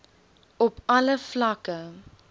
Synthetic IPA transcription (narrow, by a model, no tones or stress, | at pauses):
ɔpɐləflɐkə